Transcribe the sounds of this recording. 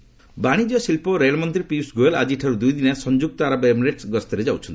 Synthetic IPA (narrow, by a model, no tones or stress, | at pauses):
baɽ̃id͡ʒɔsilpɔɾejlmɔnt̪ɾipisɡoelad͡ʒiʈʰaɾud̪ujd̪inasɔnd͡ʒuɡ̚t̪ɔaɾabemɾeʈsɡɔst̪ɔɾed͡ʒawt͡ʃʰɔnt̪i